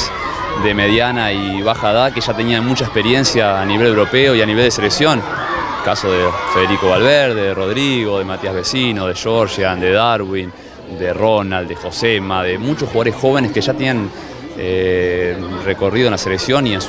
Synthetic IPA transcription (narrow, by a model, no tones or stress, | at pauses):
d̪e̞meðjanai | βaxaðakeʒat̪e̞niamut͡ʃaespe̞ɾje̞nsjaːniβe̞le̞wɾo̞peoianiβeld̪eseleksjo̞n | kaso̞ðefeðeɾiko̞βalβeɾðeðero̞ðɾiɣo̞ðe̞mat̪iazβesinoð̞e̞ʃoɾʃjand̪e̞ðaɾwin | d̪eronald̪exo̞semaðemut͡ʃosxwaðoɾesxo̞β̞e̞neskeʒat̪enãn | e | reko̞riðoenlaseleksjo̞niens